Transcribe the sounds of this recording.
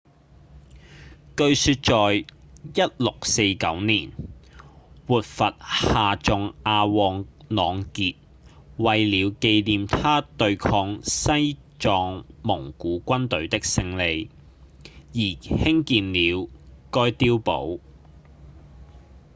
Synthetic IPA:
kɵ˧ɥsyː˧t̚t͡ʃɔː˨jjɐ˥t̚lʊ˨k̚se˧jkɐ̰˨˥wniː˨˩n | wuː˨t̚fɐ˨t̚haː˨t͡ʃʊ˨ŋaː˧wɔː˧ŋnɔː˨˧ŋkiː˧t̚ | wɐ˨jliː˨˧wke˧jliː˨mt̪ʰaː˥t̪ɵ˧ɥkʰɔː˧ŋsɐ˥jt͡ʃɔː˨˧ŋmʊ˨˩ŋkuː˨˥kʷɐ˥nt̪ɵ˨˥ɥt̪ɪ˥k̚sɪ˧ŋle˨˧j | jiː˨˩hɪ˥ŋkiː˨nliː˨˧wkɔː˥jt̪iː˥wpo̰˨˥w

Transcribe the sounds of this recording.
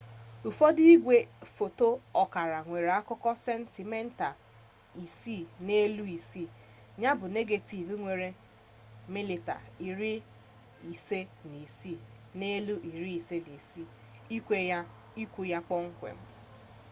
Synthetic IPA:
u˨fɔ˦di˦i˦ɡʷe˨fo˨to˦ɔ˨ka˨ɾa˨ŋʷe˨ɾe˨a˦kʊ˦kɔ˦sɛ˦n̩˦ti˨me˦n̩˦ta˨ | i˨si˦˨ne˦lu˦i˨si˦˨ | ɲa˦bʊ˨ne˦ɡe˨ti˨bi˦ŋʷe˨ɾe˨ | mi˦li˨ta̰˨i˨ɾi˦ | i˨se˦ni˨si˦˨ | ne˦lu˦ʔi˨ɾi˦i˨se˦ni˨si˦˨ | i˦kʷe˦ | i˦kʷu˦ja˦k͡pɔ˦ŋ̩˦kʷḛ˨m̩˦

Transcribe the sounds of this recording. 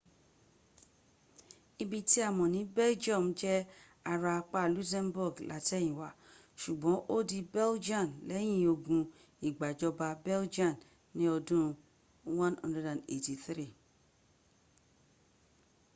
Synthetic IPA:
i˧bi˧ti˦a˦˨mɔ̃˨nĩ˨˦bɛ˦ld͡ʒɔ̃˦˨m˨d͡ʒɛ˦ | a˧ɾa˧k͡pa˦˨lu˦s̬ɛ̃˦mbu˦˨ɡla̰˨˦ti˦ɛ˦j̃ĩ˨wa˨ | ʃu˨ɡ͡bɔ̃˨˦ʔo˦di˧bɛ˦ld͡ʒã˦˨mlɛ˨˦j̃ĩ˦˧˨o˧ɡũ˧ | i˨ɡ͡ba˨d͡ʒɔ˧ba˧bɛ˦ld͡ʒã˦˨m | nĩ˦ɔ˧dũ˦˧ | wã˦nã̰˦ndɛ˦dã˨ne˨ti˨θɾi˦˨

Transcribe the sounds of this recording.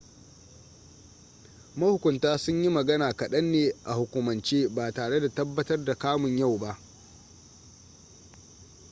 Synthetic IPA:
mɐ˦hʊ˨kʷʊ˨ntaː˦sʊ˦ɲji˦mɐ˨ɡɐ˦naː˨kɐ˨ɗɐ˦nːeː˨ʔa˨hʊ˨kʷʊ˨mɐ˨nt͡ʃeː˦baː˨taː˨ɽe˦da˨tɐ˦bːɐ˦tɐ˦rda˨kaː˦mʊ˨ɲja˦˨wba˦ʔ

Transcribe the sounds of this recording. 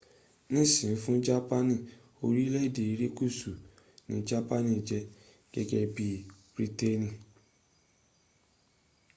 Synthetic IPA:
nĩ˦˨sĩ˨ĩ˨˦fũ˦d͡ʒa˦pa˦nĩ˦˨ | o˧ɾi˦lɛ˦i˦˨de˨i˨˦ɾe˦ku˦˨su˨ | nĩ˨˦d͡ʒa˦pa˦nĩ˧˨d͡ʒɛ˧˦ | ɡ̥ɛ˧ɡɛ˧bi˦b̥ɾi˦te˦nĩ˨

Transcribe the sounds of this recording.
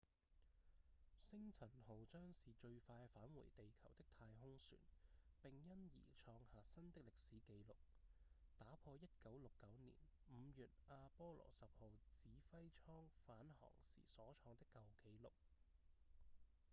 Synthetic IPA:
sɪ˥ŋt͡sʰɐ˨˩nho˨˩wt͡sœː˥ŋsiː˨t͡ʃɵ˧ɥfaː˧jfaː˨˥nwṵː˨˩jt̪e˨jkʰɐ˨˩wt̪ɪ˥k̚t̪ʰaː˧jɦʊ˥ŋsy̰ː˨˩npɪ˨˩ŋjɐ˥njḭː˨˩t͡ʃʰɔː˧ŋhaː˨sɐ˥nt̪ɪ˥k̚lɪ˨k̚siː˨˥ke˨˥jlʊ˨˩k̚t̪aː˨˥pʰɔː˧jɐ˥t̚kɐ˨˥wlʊ˨kːɐ˨˥wnḭː˨˩nm̩˨˧˦jyː˨t̚ʔaː˧pɔː˥lɔ̰ː˨˩sɐ˨p̚ho˨˩wt͡siː˨˥fɐ˥jt͡ʃʰɔː˥ŋfaː˨˥nhɔ̰ː˨˩ŋsḭː˨˩sɔː˨˥t͡ʃʰɔː˧ŋt̪ɪ˥kːɐ˨˧wke˨˥˦jlʊ˨k̚

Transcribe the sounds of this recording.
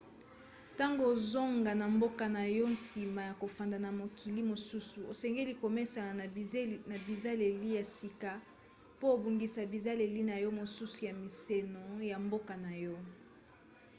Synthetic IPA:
ta˦ŋɡo˨zo˦ŋɡa˨na˨mbo˦ka˨na˨jɔ˦n̩˦si˨ma˨ja˨ko˨fa˨nda˨na˨mo˨kʰi˨li˦mo˨su˦su˨o˨sɛ˨ŋɡe˦li˦ko˨me˦sa˨na˨bi˨za˦le˨li˦ja˨si˨ka˨ | po˦˨bu˨ŋɡi˨sa˨bi˨za˦le˨li˦na˨jɔ˦mo˨su˦su˨ja˨mi˨se˨no˨ja˨mbo˦ka˨na˨jɔ˦

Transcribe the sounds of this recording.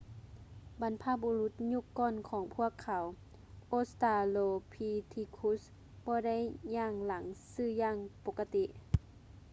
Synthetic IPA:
ba˨˧˦npʰa˧˩p̚bo˧lu˧˥t̪̚ɲu˧˥˨kːɔː˧˥˨nkʰɔː˨˩˦ŋpʰu˥˩əkʰːa˨˦w | ʔoː˧˨st̪aː˧loː˧pʰiː˧t̪ʰi˧kʰu˧˦˥s | bɔː˧˦da˧˥˩jɲaː˧˩ŋla˨˩˦ŋsɯː˧˩jaː˧˨ŋpo˧˦˥kːa˧t̪i˧ʔ

